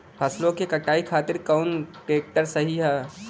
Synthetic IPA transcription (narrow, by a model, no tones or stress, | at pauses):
pʰɐslõkekəʈaːikʰaːt̪ɪɾkaʊnʈeːk̚ʈəɾsəɦiɦɛː